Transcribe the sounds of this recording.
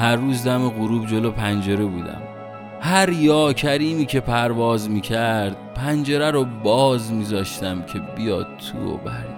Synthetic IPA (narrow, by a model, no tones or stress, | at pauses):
hæɾːuːzd̪æmeɣuɾuːbd͡ʒe̞loːpʰænd͡ʒe̞ɾebuːd̪æ̰m | hæɾjɒːcʰæɾiːmiːcʰe̞pʰæɾvɒːzmiːcʰæɾd̪̥̚pʰænd͡ʒe̞ɾæɾobɒːzmizɒːʃt̪æmcʰe̞bijɒ̰ːd̪̚t̪ʰːṵɾo̰bæɾd̪